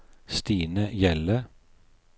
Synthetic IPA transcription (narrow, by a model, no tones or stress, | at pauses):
st̪iːnəjɛlə